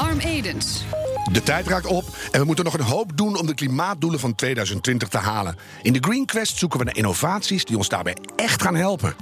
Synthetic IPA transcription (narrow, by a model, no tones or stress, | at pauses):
ɑɹmejdənsdətɛjtraːk̚tɔpɛnʋəmutənːɔχənɦowpdunɔmdəklimaːt̚duləvɑntʋeːjdœɥzəntʋɪntəχtəɦaːlə̰n | ʔɪndəɡrinkʋɛstsukənʋənaʔɪ̰novaːtsisdiɔnzda̰ːrbɛ̰j | ɛxtxaːnɦɛlˠpə̰